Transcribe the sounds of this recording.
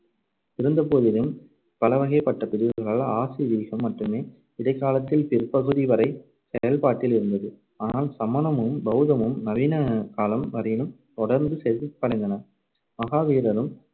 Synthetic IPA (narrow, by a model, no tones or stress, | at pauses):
ɪɾɯnd̪ɐpoːðɪlɯm | pɐlɐʋɐɣɐɪpːɐʈːɐpɪðɪʋɯɣɐɭaːɭaːsiðiːɣɐmːɐʈrɯmeː | ɪðɐɪkːaːlɐt̪ːɪlpɪrpɐɣɯðiʋɐɾɐɪ | sɛjɐlpaːʈːɪlɪɾɯnd̪ɐðɯ | aːnaːlsɐmɐnɐmɯmbɐʊðɐmɯmnɐʋiːnɐkaːlɐmʋɐɾɐjɪlɯm | t̪ɔɽɐɾnd̪ɯsɛpːɐɽɐnd̪ɐnɐ | mɐɣaːʋiːɾɐɾɯm